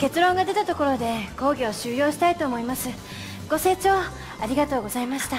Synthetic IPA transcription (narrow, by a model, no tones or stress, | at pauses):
ke̞t͡sɨɾõ̞ŋɡad̪e̞t̪at̪o̞ko̞ɾo̞d̪e̞ko̞ːɡʲio̞ɕɨːjo̞ːɕi̥t̪ait̪o̞ːmo̞imasɨ | ɡ̥o̞se̞ːt͡ɕo̞ː | aɾʲiɡat̪oːɡo̞zaimaɕi̥t̪a